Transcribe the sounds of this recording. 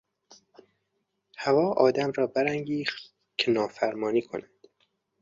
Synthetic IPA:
hævɒːʔɒːd̪æmɾɒːbæɾæŋɡiːxt̪ | kʰenɒːfæɾmɒːniːkʰo̰nænd̪̥

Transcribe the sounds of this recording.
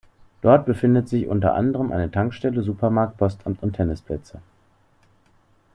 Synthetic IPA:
d̥ɔɐt̚b̥əfɪndətz̥ɪçʔʊ̰ntɐ̰ʔa̰ndəʁəmʔa̰ɪnətʰaŋkʃtɛləzuːpɐmaɐk̚t̚pʰɔstamtʊntʰɛnɪspʰlɛt͡sə

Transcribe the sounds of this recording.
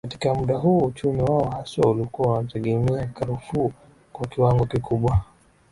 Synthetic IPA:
kati̥kamuɗaɦuːut͡ʃumiwaɔhaswaulikuantɛɠɛmiakaɾufuː | kwakiwaŋɡɔkikuɓwa

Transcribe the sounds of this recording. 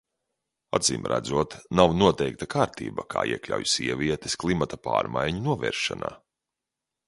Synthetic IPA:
ad̪zḭːmɾʔæ̰d̪zuɔt̪nawnuɔt̪ɛjk̚t̪akaːɾt̪ḭːbakʰa̰ːḭɛklʲa̰wjsiɛvʲiɛt̪e̥sklˠimat̪apa̰ːɾmajɲunuɔvɛ̰ːɾʃana̰ː

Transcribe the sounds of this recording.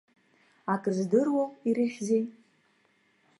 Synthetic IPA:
akʼɨrzdɨrwowiɾɨħʲzej

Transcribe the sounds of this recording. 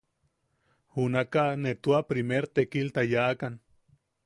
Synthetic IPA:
hunakanet̪uapɾimeɾt̪ekilt̪ajakan

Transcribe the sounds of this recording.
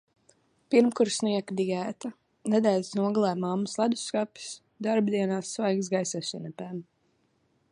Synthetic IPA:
piɾmkuɾsniɛkd̪ijæːt̪a | nɛd̪æːlʲsnuɔɡlˠɛːmamːuslˠad̪uskapi̥s | d̪aɾbd̪iɛnaːsːvajɡs̬ɡajsɛsinɛpæm

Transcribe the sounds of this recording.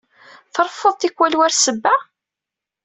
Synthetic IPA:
θəɾˤfːəðˤt̪ikwælwæɾsəbːæ

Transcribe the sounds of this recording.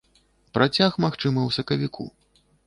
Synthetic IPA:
pɾʔat͡sʲaxmaxt͡ʂɨmɐwsɐkɐvʲikʰṵ

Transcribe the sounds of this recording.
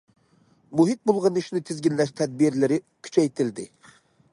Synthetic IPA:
muɦit̪̚bolˠʁɑniʃnɪt̪ʰɪzɡʲinlɛʃt̪ʰɛd̪̚biɾlɪɾɪ | kʲʰy̥t͡ʃʰɛjt̪ʰɪld̪ɪ

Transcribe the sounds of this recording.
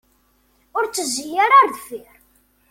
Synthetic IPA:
ʊɾt͡sːəzːijaɾaɾðfɪɾ

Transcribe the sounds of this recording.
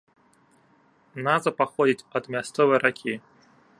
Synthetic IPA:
nazɐpaxɔd͡zʲit͡sʲɐd̪mʲast̪sɔvɨjɾakʲʰi

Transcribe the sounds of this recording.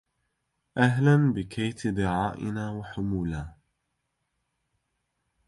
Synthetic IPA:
ʔaɦlanbɪkʰajt̪d̪ɪʕaːʔɪ̰naːwaħʊmuːlaː

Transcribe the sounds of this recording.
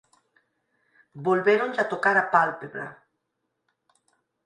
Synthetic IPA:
bolβeɾonzat̪okaɾapalpeβɾa̰

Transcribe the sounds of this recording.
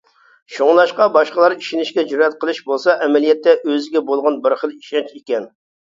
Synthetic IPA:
ʃoŋlˠɑʃqɑbɑʃqəlˠɑɾiʃinɪʃkʲɛd͡ʒuɾɛt̪̚qʰəlˠɨʃbolˠsɑʔɛmɛlijɛt̪ːɛʔøzɪɡʲɛbolˠʁɑnbɪɾχəlˠiʃɑnt͡ʃekʲɛn

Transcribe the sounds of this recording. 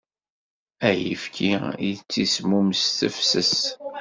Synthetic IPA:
æjifkʰiit͡sːismumsθəfsəs

